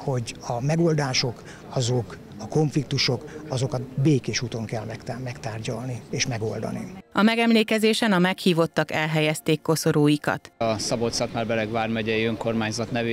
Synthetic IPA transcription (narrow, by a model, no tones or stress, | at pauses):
ho̞ɟɒmɛɡo̞ld̪aːʃo̞k | ɒzok | ɒko̞ɱflik̚t̪uʃo̞kɒzo̞kɒt̪beːkeːʃuːt̪o̞ŋkɛlmɛkt̪amɛkt̪aːrɟɒlnieːʃmɛɡo̞̰ld̪ɒ̰nḭɒmɛɡɛmleːkɛzeːʃɛnɒmɛkhiːvo̞t̪ːɒkɛlɦɛjɛst̪eːkːo̞soɾoːjikɒ̰t̪ɒsɒbot̪sɒt̪maːrbɛlɛɡʋaːrmɛɟɛiøŋko̞rmaːɲzɒt̪nɛve